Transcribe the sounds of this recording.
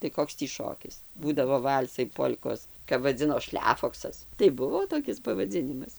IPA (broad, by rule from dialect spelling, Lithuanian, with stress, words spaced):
tɐɪ ˈkoːks tʲiː ˈʃoːkʲɪs ˈbuːdɐʋoː ˈʋɐlʲsɐɪ ˈpoːlʲkoːs kɐp ʋɐˈd͡zʲɪnoː ˈʃʲlʲæːfoːksɐs tɐɪ ˈbʊʋoː toːˈkʲɪs pɐʋɐˈd͡zʲɪnʲɪmɐs